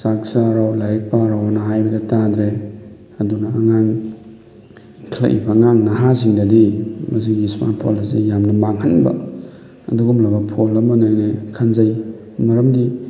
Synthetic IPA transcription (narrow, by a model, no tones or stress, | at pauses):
sak̚saɾawlaɾek̚paɾawanɐɦajbɐdɐtadɾe | ɐdunɐːŋaŋ | kʰlɐ̰ʔḭbɐŋaŋnɐɦaz̬iŋdɐdimɐs̬iɡisma̰pʰo̰lɐsejamnɐmaŋɦɐnbɐ̰ | ɐ̰duɡumlabɐpʰolɐmɐnojnekʰɐnzaj | mɐɾɐmdi